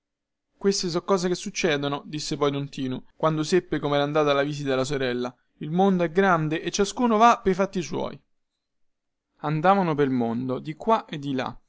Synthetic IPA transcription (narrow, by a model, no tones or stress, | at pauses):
kwest̪es̬ɔkːɔːzekesːut͡ʃːɛːd̪onod̪isːepɔjd̪ont̪iːnukwand̪osepːekomeɛɾand̪aːt̪alːaviːzit̪ad̪elːas̬oɾɛlːa | ilmond̪oɛɡɾand̪eʔet͡ʃːaskuːnovapːejfat̪ːiswɔ̰ːj | and̪aːvanop̬eɾlmond̪od̪ikwaʔed̪ːila̰